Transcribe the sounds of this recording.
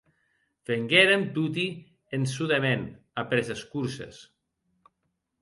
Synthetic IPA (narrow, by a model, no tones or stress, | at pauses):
feŋɡeɾemt̪ut̪i | ensuðemen | apɾezeskuɾsḛs